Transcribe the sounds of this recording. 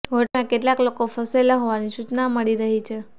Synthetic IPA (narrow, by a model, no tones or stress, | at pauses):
ɦoʈmãkeʈlaklokofəselaɦoʋaniʃut͡ʃnaməɭiɾəɦit͡ʃʰe